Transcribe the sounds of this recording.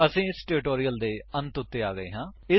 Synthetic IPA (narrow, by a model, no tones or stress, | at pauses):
əsĩːɪsʈeːɾɪʈoːɾijəld̪eːənt̪ʊt̪ːeːaːɡəḛːɦãːɪ